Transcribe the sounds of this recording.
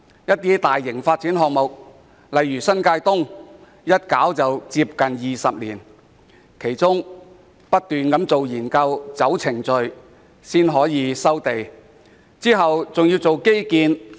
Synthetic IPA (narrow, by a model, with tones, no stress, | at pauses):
jɐ˥t̚t̪iː˥t̪aː˨jːɪ˨˩ŋfaː˧t̚t͡siː˨˥nɦɔː˧k̚mʊ˨k̚ | lɐ˨˧jːyː˨˩sɐ˥nkaː˧jt̪ʊ˥ŋ | jɐ˥t̚kaː˨˥wt͡sɐ˨wt͡siː˧p̚kɐ˨njiː˨˩sɐ˨p̚liː˨˩n | kʰe˨˩jt͡sʊ˥ŋ | pɐ˥t̚t̪yː˨nkɐ˨˥mt͡so˨wjiː˨˩nkɐ˧wt͡sɐ˨˥wt͡sʰɪ˨˩ŋt͡sɵ˨ɥ | siː˥nɦɔː˨˥jiː˨˧sɐ˥wt̪e˨˩j | t͡siː˥ɦɐ˨wt͡sʊ˨ŋji˧wt͡so˨wke˥jkiː˨˧n